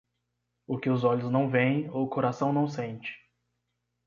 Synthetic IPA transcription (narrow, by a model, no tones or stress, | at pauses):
ʊkɪʊzɔʎʊznɐ̃w̃vẽj̃okoɾasɐ̃w̃nɐ̃w̃sẽnt͡ʃɪ̥